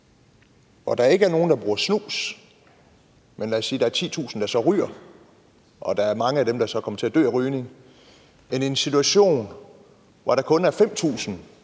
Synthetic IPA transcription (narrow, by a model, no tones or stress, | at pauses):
ɒd̥ɑ̈ɐe̝ɡ̥əæɐno̝ːn̩d̥ɑ̈b̥ʁuːɐsnṵːs | menlæːsːiːd̥ɑ̈æɐt͡sʰḭːt͡sʰṵːsn̩d̥ɑɐsɒ̽ʁy̰ːɐ | ʔɒ̽d̥ɑ̈æɐmɑ̈ŋəæd̥emd̥ɑ̈sɒ̽kʰɒ̽mɐt͡sʰe̝æd̥ø̰ːæʁyːne̝ŋ | enensit͡sʰuæɕo̝̰ːn | ʋɒɾ̥ɑ̈kʰɔ̽næɐfem̰t͡sʰṵːsn̩